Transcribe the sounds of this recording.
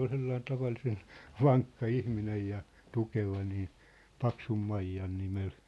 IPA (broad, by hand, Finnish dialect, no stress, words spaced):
ol selːɑin tɑʋɑlːisen ʋɑŋkːɑ ihminej jɑ tukeʋɑ niː pɑksumːɑijːɑn nimel